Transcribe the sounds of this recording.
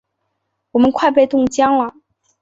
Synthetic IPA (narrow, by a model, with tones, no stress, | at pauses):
wɔ˨˩mə˦nkʰwa˥˧ɪpe˥˧ɪt̪ʊ˥˩ŋt͡ɕjɑ˥ŋlɐ˨˩